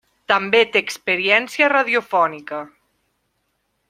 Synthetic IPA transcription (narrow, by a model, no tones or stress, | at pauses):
t̪əmbet̪eːkspəɾiɛnsiəraðiufɔnikə